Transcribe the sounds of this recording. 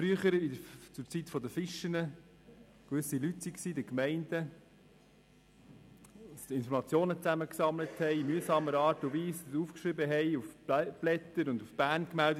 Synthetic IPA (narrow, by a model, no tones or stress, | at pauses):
fɾyəχəɾidəɾt͡sʊɾt͡sitfɔdəfɪʃənə | kʋʏsilytsiksiːdəkmɛɪnd̥ə | sɪnfɔɾmɑt͡sjoːnət͡sæməksɑmləthɛɪmyəsɑːməɾɑːɾtʊviːsuːfkʃɾɪbəɦɛɪufb̥lɛt̪əɾʊndufb̥æːɾnkmældə